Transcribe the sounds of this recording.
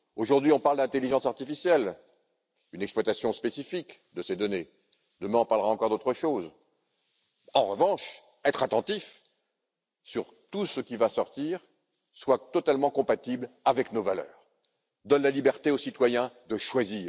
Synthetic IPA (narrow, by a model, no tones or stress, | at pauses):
oʒuʁd̪ɥiɔ̃paʁld̪ɛ̃t̪eliʒɑ̃saʁt̪ifisjɛl | ynɛksplwat̪asjɔ̃spesifik | d̪əsed̪ɔne | d̪əmɛ̃ɑ̃paʁlʁaɑ̃kɔʁd̪ot̪χəʃoz | ɑ̃ʁəvɑ̃ʃ | ɛt̪χat̪ɑ̃t̪if | syʁ | t̪usəkʲivasɔʁt̪iʁ | swat̪ɔt̪almɑ̃kɔ̃pat̪iblavɛknovalœ̰ːʁ | d̪ɔnlalibɛʁt̪eosit̪wajɛ̃d̪əʃwaziːʁ